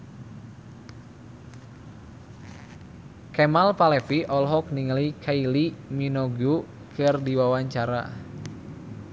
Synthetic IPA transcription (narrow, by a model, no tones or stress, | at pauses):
kɛmalpalɛfiʔɔlɦɔk̚niŋəlikʰailiminɔɡu | kʰɨrdiwawaɲt͡ʃaɾa̰